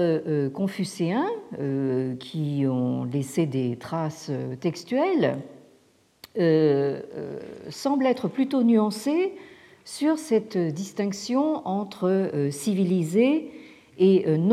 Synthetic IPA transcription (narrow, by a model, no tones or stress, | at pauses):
øøkɔ̃fyseɛ̃økʲʰiɔ̃lesed̪et̪χasø̰t̪ɛkst̪ɥɛl | ø̰ | sɑ̃blɛt̪χəplyt̪onyɑ̃se | syʁsɛt̪d̪ist̪ɛ̃ksjɔ̃ɑ̃t̪χəøsivilizeː | øn